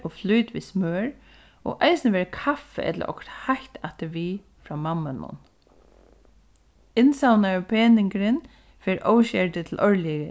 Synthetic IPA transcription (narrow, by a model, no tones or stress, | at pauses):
ɔflujt̪ʋḭsmøːɹ | ɔ̰ʔaɪsɪnəʋɛːɾəkʰafɛ̰ʔɛt̪lə̰ɾʔɔ̰kɾt̪hajt̪aht̪ɪʋiː | fɾaːmamːanːʊ̰n | ɪnsawnaɹpʰeːnɪŋkəɾɪn | fɛːɾʔoːwʃɛt̪ɪt̪ʰɪlʔɔɹliɪ